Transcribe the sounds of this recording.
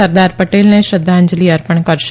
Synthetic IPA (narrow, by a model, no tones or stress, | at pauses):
əɾd̪aːɾpəʈeːlneʃɾəd̪ʱːaːɪɲd͡ʒliːəɾpəɳkəɾʃ